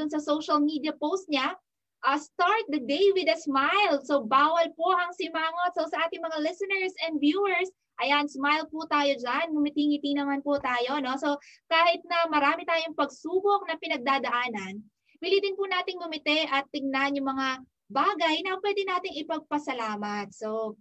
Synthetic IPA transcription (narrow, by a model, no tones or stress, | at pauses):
ʊnsɐsowʃɐlmid̪jɐpowst̪̚ɲa | ʔɐst̪aɹt̪̚d̪ɐd̪ejwɪd̪ɐsmajlso̞baːwɐlpo̞ʔɐŋsɪmaːŋo̞t̪̚sowsɐʔaːt̪ɪŋmɐŋalɪsɛnɛɹsɛnvjuːɛɹs | ʔɐjansmajlput̪aːjo̞d͡ʒanmʊmɪt̪iŋɪt̪inɐmanpʊt̪aːjo̞no̞so̞kaːhɪt̪̚nɐmɐɾaːmɪt̪aːjoŋpɐɡ̚suːbo̞k̚nɐpɪnɐɡ̚d̪aːd̪ɐʔaːnɐn | wɪlid̪ɪnpʊnaːt̪ɪŋbʊmɪt̪ɛʔɐt̪ːɪɡ̚nanjʊŋmɐŋa | baːɡɐjnɐʔɐpwɛd̪ɪnaːt̪ɪŋɪpɐɡ̚pɐsɐlaːmɐt̪̚so